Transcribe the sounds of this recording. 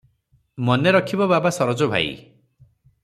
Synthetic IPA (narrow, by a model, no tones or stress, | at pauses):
mɔneɾɔkʰibɔbabasɔɾɔd͡ʒɔbʱa̰ḭ